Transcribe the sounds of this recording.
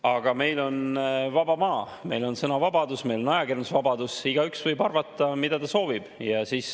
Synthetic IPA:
ɑɡ̥ɑme̞jlo̞nvɑbɑmɑː | me̞jlo̞nsɤnɑvɑbɑd̪usme̞jlo̞nɑjɑkirnusvɑbɑd̪̥usiɡ̥ɑyksvɤjbɑrvɑt̪ˑːɑmid̪̥ɑt̪ɑso̞ːvib̥jɑsiːs

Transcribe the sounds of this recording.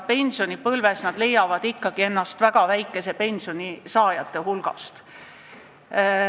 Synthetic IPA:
pe̞nʲsio̞nipɤlve̞snɑd̪̥le̞jːɑvɑd̪̥ikːˑɑɡ̥ie̞nːɑst̪væɡ̥ɑvæjkːˑe̞se̞pe̞nʲsio̞nisɑːjɑt̪ːˑe̞hulɡ̥ɑ̰st̪

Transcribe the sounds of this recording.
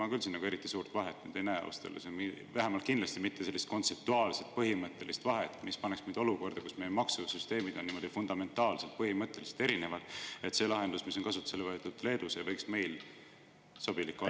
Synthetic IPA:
ɑkylsinːɑɡueɾit̪ˑːisuːrt̪vɑɦet̪ːnḛt̪enejɑ̰w̰st̪el̰semivæɦemɑlt̪̚kind̥̪lɑst̪imit̪ːese̞lːist̪ko̞nt̪se̞p̚t̪uɑːlset̪̚pɤɦimɤt̪ˑːe̞list̪vɑɦe̞t̪ːˑmispɑneksmind̪o̞luko̞rd̪̥ɑkusmejemɑksuvsyst̪e̞ːmid̪̥o̞nːiːmo̞d̪̥ifund̪ɑme̞nt̪ːˑɑːlse̞lt̪̚pɤɦimɤt̪ˑːe̞lise̥t̪e̞ɾine̞vɑd̪̥e̞t̪se̞lɑɦe̞nd̪̥usmiso̞nkɑs̬ut̪ːˑu̥selevɑet̪ːud̪̥le̞ːd̪usejvɤjksme̞jl | so̞b̥ilikːˑo

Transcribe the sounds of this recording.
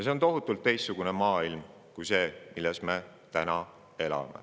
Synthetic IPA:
jɑs̬eont̪o̞ɦut̪ːˑult̪ˑːe̞jst̪suɡ̥une̞mɑːilm | kujse̞ːmilːesme | t̪ænɑ | e̞lɑ̰mḛ

